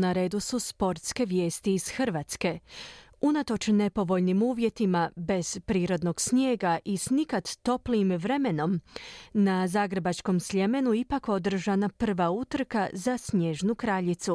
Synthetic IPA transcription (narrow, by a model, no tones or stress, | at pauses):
naɾe̞ːd̪ususpo̞ɾt̪ske̞ʋje̞ːst̪iːz̥xɨr̩ʋaːt̪ske̞ | unat̪o̞t͡ʃne̞po̞ʋo̞ʎnimuːʋje̞t̪imabe̞z̥pɾiːɾo̞d̪no̞ɡ̥sɲje̞ːɡaʔisnikat̪ːo̞pliːmʋɾe̞me̞no̞mnazaːɡɾe̞bat͡ʃko̞msʎe̞me̞nuipako̞d̪r̩ʒanapr̩ʋaut̪r̩kazasɲje̞ʒnukɾaʎit̪su